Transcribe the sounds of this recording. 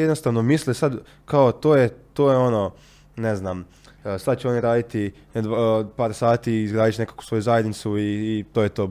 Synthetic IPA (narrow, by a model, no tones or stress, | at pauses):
jed̪nost̪aʋnomislisad̪ | kaot̪oːjet̪oːjeo̞no̞ | neznam | sad̪̚t͡ɕeo̞niɾaːd̪it̪i | d̪apaːɾsaːt̪iiːzɡɾaːd̪iʃne̞kḁku̥sʋo̞juzajed̪nit̪suiːt̪ojet̪o̞ː